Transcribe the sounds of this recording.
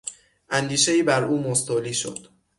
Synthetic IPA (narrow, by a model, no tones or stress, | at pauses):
ʔænd̪iːʃeiːbæɾʔuːmost̪ʰoliːʃo̰d̪̥